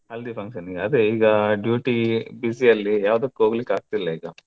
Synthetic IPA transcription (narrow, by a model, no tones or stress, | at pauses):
ɐld̪ipʰɐŋʃɐniɡɐɐd̪eiːɡɐɖjuːʈibisijɐlːijaːʋɐd̪ɐkːuoːɡlikːaːɡ̚t̪ilːɐiːɡɐ